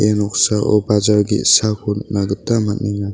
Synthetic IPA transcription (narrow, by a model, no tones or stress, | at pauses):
enɔk̚saʔɔ̰bad͡ʒaɾɡḭsakʰunnaɡɯtːamat̚niŋa